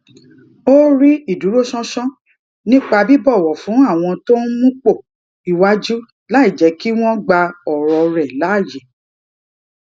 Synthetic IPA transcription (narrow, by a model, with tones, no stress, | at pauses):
o˦ɾi˦i˦˨du˨˦ɾo˦sɔ̃˦sɔ̃˦ | nĩ˦k͡pa˧bi˦bɔ˦˨wɔ˨fũ˨˦a˦˨w̃ɔ̃˧to˦n˦mũ˦k͡po˦˨ | i˨wa˦d͡ʒu˦ | la˨˦i˦˨d͡ʒɛ˨˦ki˦w̃ɔ̃˦ɡ͡ba˧ɔ˨ɾɔ˧ɾɛ˨la˨˦˨je˨